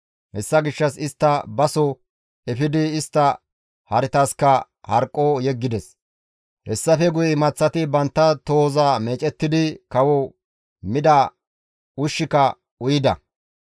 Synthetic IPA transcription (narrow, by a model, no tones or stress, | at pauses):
hɛsːɐɡɪʃːɐsɪst̪ːɐbɐsɔ | ɛfɪd̪ɪːst̪ːɐ | hɐɾɪt̪ɐskɐ | hɐɾkʼːɔjɛɡːɪd̪ɛs | hɛsːɐfɛɡʊjɪmɐt͡sːɐt̪ɪbɐnt̪ːɐt̪oːzame̞ːt͡ʃʼɛt̪ːɪd̪ɪkɐwɔ | mɪd̪ɐ | ʊʃːɪkɐ | ʊjɪd̪ɐ̰